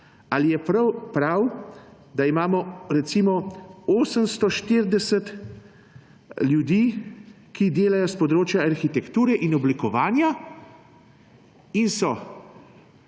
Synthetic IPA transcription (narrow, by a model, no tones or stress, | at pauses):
alijɛpɾawpɾaw | d̪aimaːmɔɾɛt̪simɔoːsəmst̪ɔʃt̪iɾd̪ɛsɛt̪ | ljud̪iː | kid̪eːlajɔspɔd̪ɾoːt͡ʃjaaɾxit̪ɛkt̪uːɾɛʔinɔblikɔʋaːnja | insɔ